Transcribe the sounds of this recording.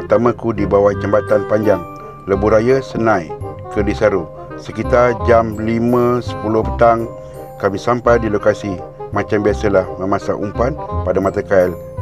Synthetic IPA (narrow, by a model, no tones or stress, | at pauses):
ərt̪amãkudibawat͡ʃəmbat̪anpaɲd͡ʒaŋ | ləbuɾajasənãjkədisaɾu | səkit̪ard͡ʒamlimə̃sə̥pulʊhpət̪aŋ | kamisampajdilokasi | mãt͡ʃambiasəlahməmasaʔumpanpadamat̪akail